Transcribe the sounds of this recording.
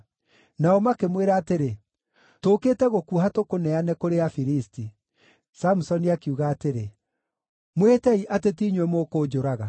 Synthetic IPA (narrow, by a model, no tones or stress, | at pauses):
naɔmakemweɾaːteɾe | toːkeːtɛɣokuɦatokonɛanɛkoɾeafiɾisti | samusɔniakeuɣaːteɾe | mwetɛiʔatetiːɲowɛmoːkoːd͡ʒoɾaɣa